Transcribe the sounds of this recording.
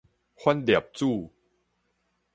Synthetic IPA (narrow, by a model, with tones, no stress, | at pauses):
kʰo˥˨ndi˨˩p̚t͡ɕuː˥˩